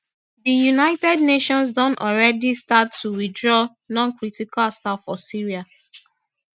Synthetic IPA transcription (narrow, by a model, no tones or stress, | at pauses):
dijunaɪtɛd̚neʃɔ̃ns̬dɔ̃ntɔlɹɛdistatʰːuwidɹɔ | nɔ̃nkɹitikalstafɔsiɹia